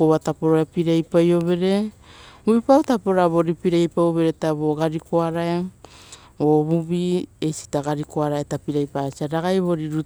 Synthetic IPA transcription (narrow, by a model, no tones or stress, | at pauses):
oβatapoɾoapiɾajpajo̞βe̞ɾe̞ | bubipawtapoɾaβo̞ɾipiɾajpajoβe̞ɾetaβo̞ɡaɾikʰoaɾaja | oβuβiesi̥taɡaɾikoaɾaetapiɾajpasiaɾaɡajβo̞ɾiɾu